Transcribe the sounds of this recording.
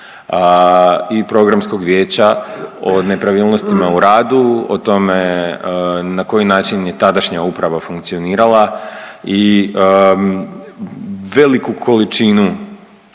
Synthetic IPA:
ipɾo̞ɡɾamsko̞ɡʋje̞ːt͡ɕaone̞pɾaʋiːlˠno̞st̪imauɾaːd̪uot̪o̞me̞ | nako̞jinaːt͡ʃinjet̪ad̪aʃɲaupɾaʋafuŋkt̪sio̞niːɾalˠai | ʋe̞likukʰo̞lit͡ʃinu

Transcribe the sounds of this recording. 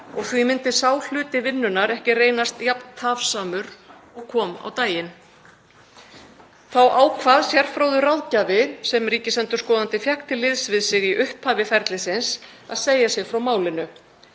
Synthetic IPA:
ɔɣθvimɪnt̪ɪsaːwl̥ʏːt̪ɪvɪnːʏnaɾɛhcɪreːjnast̪japnt̪ʰafsaːmʏɾ | ɔɣkʰɔːma̰wt̪aːjɪn | θawʔaːwkʰvaðsjɛr̥fɾowðʏrawðcavɪsɛmriːcɪsɛnt̪ʏ̥ɾskɔːðant̪ɪfjakt̪ɪlːɪðsvɪðsɪɣiʔʏhphaːvɪfɛɾt̪lɪsɪns | a̰ðseːjasjɛɣfɾawmaːwlɪnʏ

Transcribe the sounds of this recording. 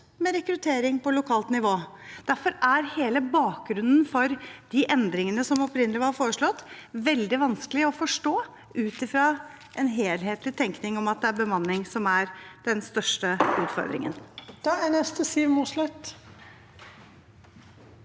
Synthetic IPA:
mɛɾɛkɾʉt̪ʰeːɾɪŋpɔlʊkʰɑːlt̪nɪʋoː | d̪̥æɾfɔɾæɾheːləbɑːk̚ɡɾʉnːənfɔɾd̪̥ɪʔɛnd̪ɾɪŋənəsɔmɔpɾɪnːəlɪʋɑɾfoːɾəʂɭɔt̪ːʋɛld̪ɪʋɑnskəlɪɔfɔʂʈoː | ʔʉːt̪ɪfɾɑ | ʔɛnɦeːlɦeːt̪lɪt̪ʰɛŋknɪŋɔmɑt̪̚d̪ɛæɾbəmɑnːɪŋsɔmæɾd̪̥ɛnst̪œʂʈəʉːt̪fɔ̰ɾd̪ɾɪ̰ŋə̰nd̪̥ɑænɛst̪əsiːʋmuslœt̪

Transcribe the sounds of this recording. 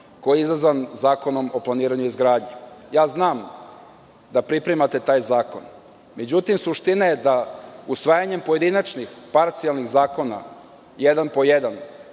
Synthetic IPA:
ko̞jeizazʋanzaːko̞no̞mo̞plˠaniːɾaɲuizɡɾaːd̪ɲejaːznaːm | d̪apɾipɾemat̪e̞t̪aːjzaːko̞n | me̞d͡ʑut̪imsuʃt̪inajed̪ausʋaːjaɲe̞mpo̞je̞d̪inat͡ʃnixpaɾt̪sialˠnixzaːko̞na̰ | jed̪anpo̞jed̪an

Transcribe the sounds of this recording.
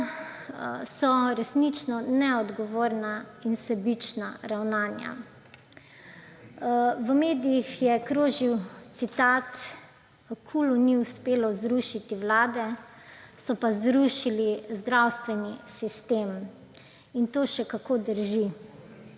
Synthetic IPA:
sɔɾɛsnit͡ʃnɔnɛɔd̪ɡɔʋoːɾnainsɛbit͡ʃna̰ɾawnaːnja̰ | ʋəmeːd̪ijixjɛkɾoːʒiwt̪sit̪aːt̪ | kʰuluniuspeːlɔzɾuʃit̪iʋlaːd̪ɛ | sɔpazɾuʃilizd̪ɾawst̪ʋɛnisist̪eːm | int̪oːʃɛkakoːd̪əɾʒi

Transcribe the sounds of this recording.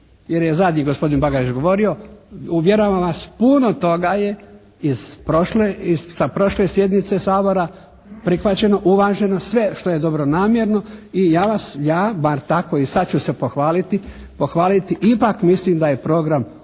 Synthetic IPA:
je̞ɾjezad̪ɲiːɡo̞spo̞d̪inbaɡaɾit͡ʃɡo̞ʋo̞ɾio̞uʋje̞ɾoʋaʋaspuno̞t̪o̞ɡaje̞ | iz̥pɾoʃleizsapɾo̞ʃle̞sje̞d̪nit̪sesaːbo̞ɾa | pɾixʋat͡ɕe̞no̞ʔuʋaːʒe̞no̞sʋe̞ʃt̪oje̞d̪o̞bɾonaːmjeɾno̞ijaːʋasjaːbaɾt̪ako̞isad̪̚t͡ɕusepoxʋaːlit̪i | po̞xʋaːlit̪iʔipakmislimd̪aje̞pɾo̞ɡɾam

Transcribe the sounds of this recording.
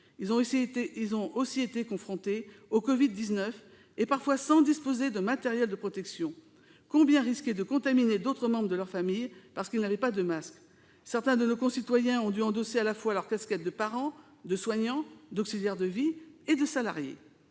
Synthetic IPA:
ilzɔ̃osiet̪ekɔ̃fχɔ̃t̪eokɔvid̪̚ːiznœf | epaʁfwasɑ̃d̪ispozed̪əmat̪ɛʁjɛld̪əpχɔt̪ɛksjɔ̃ | kɔ̃bjɛ̃ʁiskʲed̪əkɔ̃t̪amined̪ot̪χəmɑ̃bʁd̪əlœʁfamijpaʁsə̥kʲilnavɛpad̪əmask | sɛʁt̪ɛ̃d̪ənokɔ̃sit̪wajɛ̃ɔ̃d̪yɑ̃d̪osealafwalœʁkaskʲɛt̪̚d̪əpaʁɑ̃ | d̪əswaɲɑ̃d̪ɔksiljɛʁd̪əvied̪əsala̰ʁjḛ

